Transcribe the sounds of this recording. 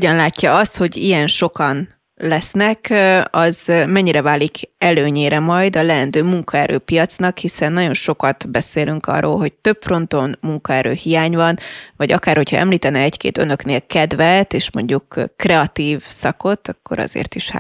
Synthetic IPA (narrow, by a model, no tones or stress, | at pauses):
oɟɒnlaːcːɒɒst̪ho̞ɟijɛnʃo̞kɒn | lɛsnɛkɒzmɛɲːiɾɛvaːlːikɛløːɲeːɾɛmɒjd̪ɒlɛɛnd̪øːmuŋkɒɛɾʔø̰ːpijɒt̪snɒkhisɛnːɒɟo̞nʃo̞kɒt̪bɛseːlyŋkɒ̰rːo̰ːlɦo̞ɟ̚t̪ø̞pfro̞nt̪o̞nmuŋkɒɛɾø̰ːhijaːɲvɒnvɒɟɒkaːrho̞chɒ̰ɛ̰mliːt̪ɛnɛɛckḛːt̪ø̰nø̞kneːlkɛd̪vɛlt̪eːʃmo̞ɲɟukːrɛɒt̪iːvsɒko̞t̪ːɒkːo̞̰ɾɒ̰zḛːrt̪iʃha̰